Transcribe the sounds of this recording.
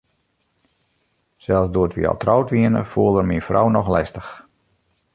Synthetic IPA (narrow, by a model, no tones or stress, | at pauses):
sɛlˠsduəətʰʋḭɑ̰lˠtrɔwtʋiənə̰fuəlˠərminfrɔ̰wnɔxlɛstəx